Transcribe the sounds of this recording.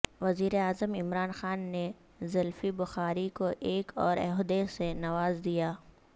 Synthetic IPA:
ʋɐziːɾeaːzəmɪmɾaːnxaːnːe | zɐlfibʊxaːɾikoʔeːkʰɔːɾɛ̰ɦʊd̪esenɐʋaːzd̪ijaː

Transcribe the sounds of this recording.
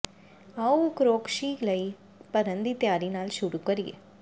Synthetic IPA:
ɐukɾoːkʃiːkləi | pɐɾənd̪it̪jaːɾinaːlʃʊɽukɐɾiḛː

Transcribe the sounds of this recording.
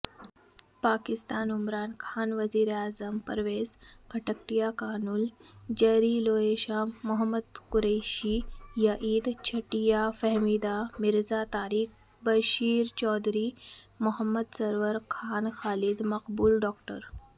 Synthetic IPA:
pakist̪aːnumɾaːnkʰaːnʋɐziːɾaːzəmpɐ̰ɾʋeːzɡʱɐʈək̚ʈijakaːnuld͡ʑɐɾiloeʃamːuɦəmːəd̪kuɾəɕiːjɐʔiːd̪t͡ɕʰɐʈijafəɦmid̪amiɾzat̪aːɾiːx | bɐʃiːɾt͡ɕɔːd̪ɾimuɦəmːəd̪sɐɾʋəɾkʰaːnxaːlid̪mɐqbuːlɖɔːk̚ʈə̰ɾ

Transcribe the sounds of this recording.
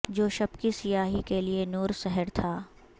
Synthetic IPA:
d͡ʒoːʃɐbkisɪjaːɦikelienuːɾsɛɦəɾt̪ʰaː

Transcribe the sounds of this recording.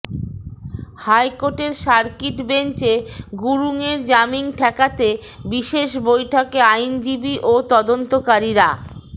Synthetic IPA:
hajkoʈeɾʃaɾkiʈbent͡ɕeɡuɾuŋeɾd͡ʑamiŋʈʰɛkat̪e | biʃeʃbojʈʰokeajnd͡ʑibiʔot̪ɔd̪ont̪okaɾiɾa

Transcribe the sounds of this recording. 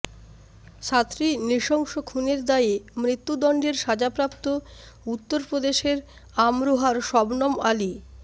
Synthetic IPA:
t͡ɕʰat̪ːɾiniʃɔŋʃokʰuneɾd̪aemɾit̪ːud̪ɔɳɖeɾʃad͡ʑapɾapt̪o | ut̪ːoɾpɾod̪eʃeɾ | amɾoɦaɾʃɔbnɔmali

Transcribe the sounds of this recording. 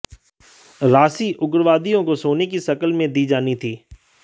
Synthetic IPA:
ɾaːsiʔʊɡɾʋaːd̪ijõkosoːnekiʃɐkəlmẽd̪iːd͡ʒaːnit̪ʰiː

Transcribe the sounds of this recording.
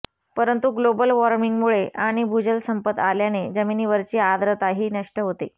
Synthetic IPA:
pəɾənt̪uɡlobəlʋɔɾmiŋɡmuɭeʔaɽ̃ibʱud͡ʑəlsəmpət̪aljaned͡ʑəminiːʋəɾt͡ɕiːad̪ɾət̪aɦiːnəʂʈəɦot̪ḛ

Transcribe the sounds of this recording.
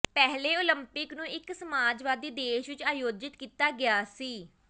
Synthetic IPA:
pɛɦleːoləmpɪknũːɪksəmaːd͡ʒʋaːd̪iːd̪eːʃʋɪt͡ʃaːjoːd͡ʒɪt̪kiːt̪aːɡɪjaːsiː

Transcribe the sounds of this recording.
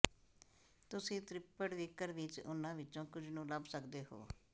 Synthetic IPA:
t̪ʊsĩːt̪ɾɪpəɽʋɪkəɾʋɪt͡ʃʊ̰nãːʋɪt͡ʃõːkʊd͡ʒʱnũːləbsəkd̪eːɦo̰ː

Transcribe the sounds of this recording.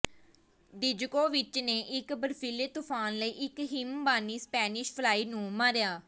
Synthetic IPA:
d̪ɪd͡ʒkoːʋɪt͡ʃneːʔɪkbəɾfʰiːleːt̪ʊːpʰaːnləiːʔɪkɦɪmbaːniːspɛːnɪʃpʰlaːiːnũːmaːɾjaː

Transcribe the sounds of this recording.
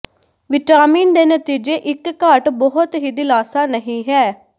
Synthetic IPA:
ʋɪʈaːmiːnd̪eːnət̪iːd͡ʒeːʔɪkːəʈbɔɦʊt̪ɦiːd̪ɪlaːsaːnəɦĩːɦɛː

